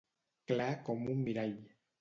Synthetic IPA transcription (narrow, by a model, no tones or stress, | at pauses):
klakɔmumːiɾaj